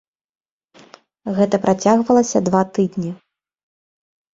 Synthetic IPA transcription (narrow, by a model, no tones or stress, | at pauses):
ɣɛt̪ɐpɾat͡sʲaɣvɐlˠɐsʲɐd̪vat̪ɨd̪nʲi